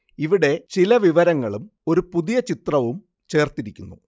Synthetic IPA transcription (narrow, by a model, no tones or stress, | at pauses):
iʋiɽe̞t͡ɕilɐʋiʋɐɾɐŋːɐɭumo̞ɾupuðijɐt͡ɕit̪rɐʋum | t͡ɕe̞ːrt̪iɾikʲːunːṵ